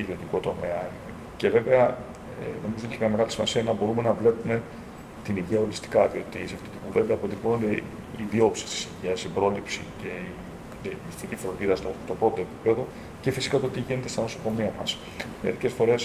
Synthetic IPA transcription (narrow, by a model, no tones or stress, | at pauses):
iðiot̪ikot̪o̞me̞ɐ | ce̞ve̞ve̞ɐ̰ | no̞mizoneçemɲɐme̞ɣɐlisimɐsiɐinɐbo̞ɾume̞nɐvle̞pume̞ | t̪iniʝiɐo̞ɾist̪i̥kɐðio̞t̪isɐft̪it̪ipuve̞nd̪ɐːpot̪ipono̞nd̪e | iðio̞psi̥st̪i̥siʝiɐsibɾo̞lipsḭce̞i | ist̪icifɾo̞nd̪iðɐst̪ot̪op̪d̪o̞epi̥pe̞ðo̞ | ce̞fisi̥kɐt̪ot̪iʝinet̪e̞st̪ɐno̞so̞ko̞miɐmɐs | meɾice̞sfo̞ɾe̞s